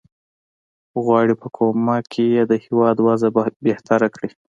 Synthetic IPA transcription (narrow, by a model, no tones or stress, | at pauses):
ɣwɑɽipəkʰomakʰejed̪əhewɑd̪wazabeht̪aɾakɽi